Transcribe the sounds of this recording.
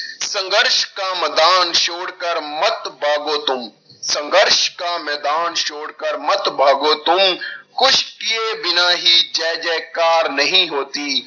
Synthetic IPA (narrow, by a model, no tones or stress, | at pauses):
sɐ̃ŋɡəɾʃkamɛːd̪aːnʃoːɽkəɾmɐt̪bʱaːɡoːt̪ʊm | sɐ̃ŋɡəɾʃkamɛːd̪aːnʃoːɽkəɾmɐt̪bʱaːɡoːt̪ʊmkʊʃʈijebɪnaːɦid͡ʒɛːd͡ʒɛːkaːɾnɐɦĩɦoːt̪iː